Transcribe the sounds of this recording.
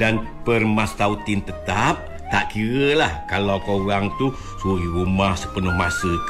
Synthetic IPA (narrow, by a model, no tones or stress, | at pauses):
dan | pərmast̪aut̪ɪnt̪ət̪ap̚ | t̪aʔkiɾəlahkalawkoɣaŋt̪u | suɾiɾumahsəpənʊhmasə